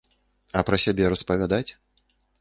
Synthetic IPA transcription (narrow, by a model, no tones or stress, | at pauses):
ɐpɾɐsʲabʲɛɾɐspɐvʲad̪at͡sʲ